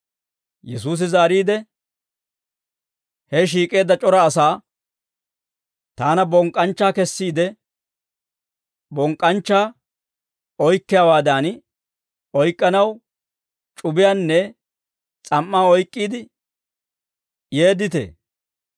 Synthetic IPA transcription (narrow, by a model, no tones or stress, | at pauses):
jɛsuːs̬ɪzaːɾiːd̪ɛ | hɛʃ̬iːkʼe̞ːd̪ːɐt͡ʃʼɔɾɐːsaː | t̪aːnɐbɔŋkʼːɐnt͡ʃːaːkɛsːiːd̪ɛ | bɔŋkʼːɐnt͡ʃːaː | ɔjkːɪjaːwaːd̪aːn | ɔjkʼːɐnɐw | t͡ʃʼʊbɪjaːnːɛ | t͡sʼɐmːaːɔjkʼːiːd̪ɪ | je̞ːd̪ɪt̪ḛː